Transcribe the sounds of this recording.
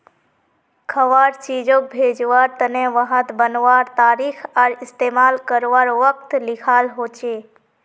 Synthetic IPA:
kʰəʋaːɾt͡ʃid͡ʒok̚bʱeːd͡ʒʋaːɾt̪ənẽʋəɦət̪bənʋaːɾt̪aːɾikʰaɾɪst̪eːmaːlkəɾʋaːɾʋək̚t̪lɪkʰaːlɦoːt͡ʃeː

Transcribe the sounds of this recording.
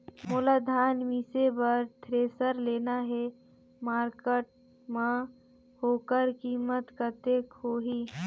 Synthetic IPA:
moːlaːd̪ʱaːnmiːsebəɾt̪ʰɾeːsəɾleːnaɦɛ | maːɾkəʈ̚ | mã | hoːkəɾkiːmət̪kət̪eːkɦoːɦiː

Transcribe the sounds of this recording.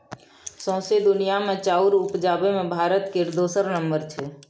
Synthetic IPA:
sɔ̃ːsed̪ʊnijamẽt͡ʃaːʊɾʊpd͡ʒaːbemẽbʱaːɾət̪keɾd̪oːsəɾnəmbəɾt͡ʃʰeː

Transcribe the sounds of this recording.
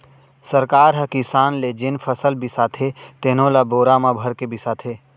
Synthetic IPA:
səɾkaːɾɦɛkisaːnled͡ʒɪnfʰəsəlbɪsat̪ʰet̪enõlaboːɾaːmabʱəɾkebɪsaːt̪ʰeː

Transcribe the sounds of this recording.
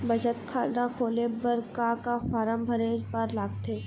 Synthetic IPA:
bɐd͡ʒət̪kʰaːɾd̪akʰoːlebəɾkakafaːɾəmbʱɐɾeːd͡ʒpəɾlaːɡt̪ʰeː

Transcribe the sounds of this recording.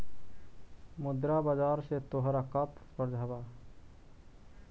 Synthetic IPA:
mud̪ɾabad͡ʒaɾset̪oɦɾakat̪spəɾd͡ʒʱaba

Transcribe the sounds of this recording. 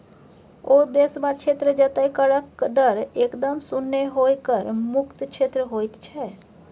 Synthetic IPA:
od̪esmãkt͡ʃʰet̪ɾəd͡ʒət̪ajkəɭəkd̪əɾekd̪əmsʊnːeɦojkəɾmʊkt̪ʃʰet̪ɾəɦojt̪t͡ʃʰɛ

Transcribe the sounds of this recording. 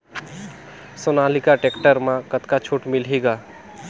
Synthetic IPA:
sonalikaʈekʈəɾmãkət̪kat͡ʃʰoʈmilɦiɡa

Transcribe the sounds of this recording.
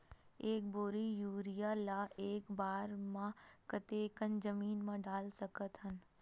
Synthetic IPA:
eːk̚boːɾijuːɾijaːlaːʔeːkbaːɾmãkət̪eːkənd͡ʒəmiːnmãɖaːlsɐkət̪ɦən

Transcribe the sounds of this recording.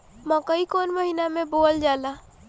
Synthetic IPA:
mə̃kəikoːnməɦinamẽboːld͡ʒaːla

